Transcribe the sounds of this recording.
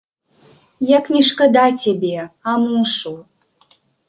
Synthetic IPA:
jaknʲiʃkə̆d̪atʲebeamuʃu

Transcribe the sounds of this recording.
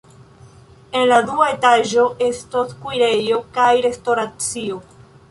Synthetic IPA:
e̞nladuae̞taʒo̞ʔe̞stoskujɾe̞jokajɾe̞stoɾat͡sio̞

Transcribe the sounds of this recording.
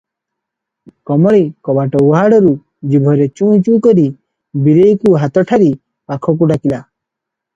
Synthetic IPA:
kɔmɔɭikɔbaʈɔuɦaɽɔɾu | d͡ʒibʱɔɾet͡ʃũt͡ʃũkɔɾi | biɾejkuɦat̪ɔʈʰaɾi | pakʰɔk̬uɖakila

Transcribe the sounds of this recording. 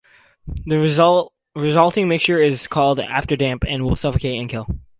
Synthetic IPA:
ðɨ | ɹɪzʌlˠtɪ̃ŋmɪkst͡ʃə˞ɪz̥kʰɔlˠdæ̰ftə˞dæ̃mpɨ̃nwɪlˠsʌfəkʰeɪɨ̃nkʰɪlˠ

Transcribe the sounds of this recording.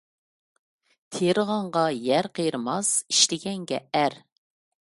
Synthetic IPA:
t̪ʰeɾəʁɑɴʁɑjæɾqʰejɾɨmɑsi̥ʃt̪ɪɡʲɛŋɡʲɛ̰æɾ

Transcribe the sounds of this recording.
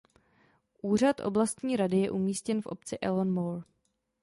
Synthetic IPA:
ʔuːr̝at̪ʔo̰blast̪ɲiːɾadɪjɛʔumiːscɛnfʔo̞̰p̚t͡sɪʔɛlonmoɾ

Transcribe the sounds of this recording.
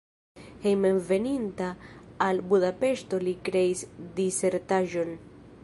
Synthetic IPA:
hejmenve̞nintaːlbudape̞ʃt̪o̞likɾe̞isd̪ise̞ɾtaʒo̞n

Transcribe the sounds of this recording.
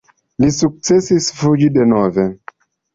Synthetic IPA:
lisuk̚t͡se̞sisfud͡ʒide̞nove̞

